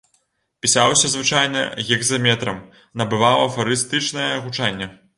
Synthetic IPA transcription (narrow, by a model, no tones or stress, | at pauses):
pʲisawsʲɐzvɨt͡ʂajnɐ̰ɣʲɛɡzɐmʲɛt̪ɾɐm | nɐbɨvawˠɐfɐɾɨst̪ɨt͡ʂnɐjɛɣut͡ʂanʲːɛ